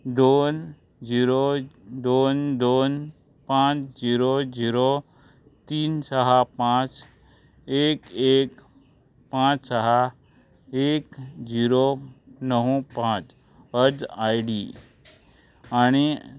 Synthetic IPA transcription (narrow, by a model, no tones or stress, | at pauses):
d̪on | d͡ʑiɾod̪oːnd̪on | pãt͡ʃd͡ʑiːɾod͡ʑiːɾo | t̪iːnsəɦapãt͡ʃ | eːkek | pãt͡ʃsəɦa | eːkd͡ʑiɾonəɦũpãt͡ʃ | əd͡ʒajɖi | aɽ̃i